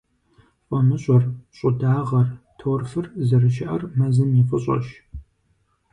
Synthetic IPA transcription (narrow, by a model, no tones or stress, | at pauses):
fʷʼɔmɨɕʼɔrɕʼʊdaːʁɐrtʰowrfɨrzɨrɨʃɪʔɐrmɐzɨmjɪfʼəɕʼɐ̰ʃ